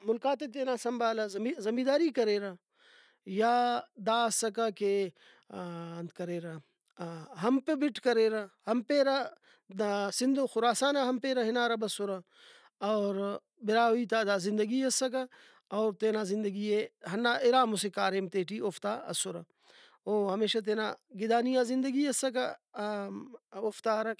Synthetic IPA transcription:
mʊlkaːt̪et̪eːnaːsɐmbaːlɐzɐizɐmiːd̪aːɾiːkɐɾeːɾɐ | jaːd̪aːɐsːɐkɐke | nd̪kɐɾeːɾɐ | ɦɐmpebiʈkɐɾeːɾɐhɐmpeːɾɐ | sɪnd̪oxʊɾaːsaːnɐɦɐmpeːɾɐɦinaːɾɐbɐsʊɾɐ | ɐːɾ | bɪɾaːɦiːt̪aːd̪aːzɪ̃nd̪əɡiɐsɐk̬ɐ | ɐːɾt̪eːnaːzɪnd̪əɡieɦɐnːaʔɪɾaːmʊsekaːɾemt̪eːʈiʔoft̪aːɐ̰sʊɾɐ | oːɦɐmeːʃat̪̬eːnaɡɪd̪aːnijãːzɪnd̪ɐɡiɐsɐk̬ɐ | oft̪aːɾɐ

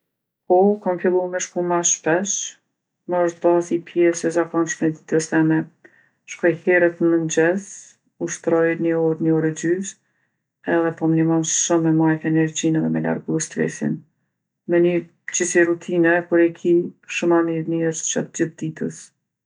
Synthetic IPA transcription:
pɔkamfilˠumɛʃkumaʃpɛʃ | mɔʃt̪basipʰjɛsɛzakɔnʃmɛd̪i̥t̪əst̪ɛmɛ | ʃkɔjhɛɾət̪mənd͡ʑɛs | uʃt̪ɾɔjnəɔɾnəɔɾɛd͡ʑys | ɛðɛpɔmnəmɔnʃumːɛmajt̪ɛnɛɾd͡ʑinɛðɛmɛla̰ɾɡuɛst̪ɾɛ̰sḭn | mɛnyɾ | d͡ʑisiɾut̪ʰinɛkuɾɛkʰiʃumamiɾniɾst͡ɕɔt̪d͡ʑiθd̪it̪əs

